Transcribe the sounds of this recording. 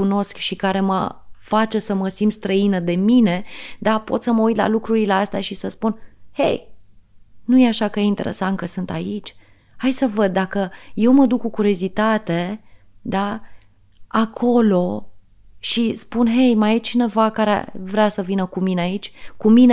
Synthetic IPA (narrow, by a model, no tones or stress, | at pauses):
uno̞skʃikaɾe̞mə̰fat͡ʃe̞səməsint̪st̪ɾəinəd̪e̞mine̞d̪apo̞̰t̪səməujt̪la̰lukɾuɾileast̪eaʃisəspunhḛj | nuje̞aʃakəjeint̪e̞̰ɾḛsankəsɨnt̪a̰it͡ʃʲ | hajsəvəd̪̚ːakəje̞wməd̪ukːukuɾjo̞zit̪at̪e̞ | d̪a | akʰo̞lo̞ | ʃispunɦe̞jmajet͡ʃine̞vakaɾḛvɾeasəvinəkumineait͡ʃʲkumine